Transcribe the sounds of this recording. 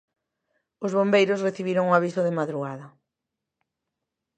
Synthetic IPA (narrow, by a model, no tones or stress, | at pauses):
ozβombejɾosreθiβiɾoŋoaβ̞isoðemaðɾuɣaðɐ